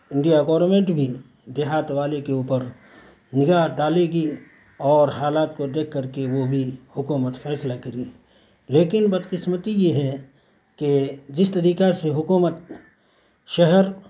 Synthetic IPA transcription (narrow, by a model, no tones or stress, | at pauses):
ɪ̃ɳɖijaɡɔːɾmẽːɳʈbʱi | d̪ɪɦaːt̪ʋaːlekeuːpəɾ | nɪɡaːɦɖaːleːɡi | ɔːɾɦaːlaːt̪kod̪eːk̚ʰkɐɾkeʋobʱihʊkuːmət̪fɛːslakɐɾi | leːkɪnbɐd̪qɪsmət̪ijeɦɛ | ked͡ʒɪst̪ɐɾiːkaseɦʊkuːmət̪̚ | ʃɐɦɛɾ